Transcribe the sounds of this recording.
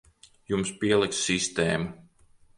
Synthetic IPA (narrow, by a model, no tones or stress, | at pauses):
jumspiɛlˠiksːist̪eːmu